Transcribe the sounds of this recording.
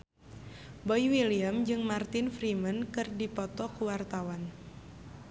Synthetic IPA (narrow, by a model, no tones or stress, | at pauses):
bɔjiwiliamd͡ʒɨŋmart̪ɪnfɾimənkɨrdipɔt̪ɔkuwart̪awan